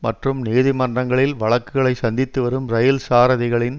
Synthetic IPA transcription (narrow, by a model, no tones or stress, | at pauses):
mɐʈrɯmniːðɪmɐndrɐŋɡɐɭɪlʋɐɭɐkːɯɣɐɭɐɪsɐnd̪ɪt̪ːɯʋɐɾɯmɾɐjɐlsaːɾɐðɪɣɐɭɪn